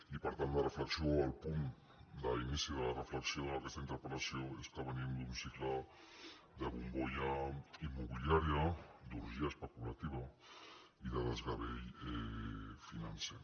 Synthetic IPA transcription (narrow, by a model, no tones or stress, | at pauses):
ipaɾt̪and̪arefleksjoalpun | d̪ainisiðelarefleksjoðakest̪aint̪eɾpolasjoest̪aβ̞enind̪unsikla | d̪eβumboʎaimːoβiliaɾjad̪uɾʒiaespəkulat̪iβa | iðaðezɣaβejefinanse